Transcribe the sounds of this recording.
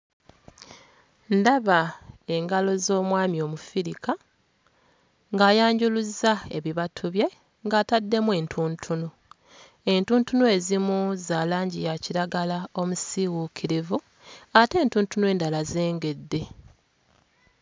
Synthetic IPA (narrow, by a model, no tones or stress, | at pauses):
ndaβae̞ŋɡalo̞zo̞ːmwaːmjo̞ːmufiɾika | ŋɡaːjaːɲɟuluzae̞βiβatʰuβje | ŋɡaːtadːe̞mwe̞ːntʰuːntʰunu | e̞ntuːntunue̞zimuzaːlaːɲɟijaciɾaɡalao̞musiwukʰiɾivu | ate̞ːntuːntunue̞ːndalaze̞ːŋɡe̞dːe̞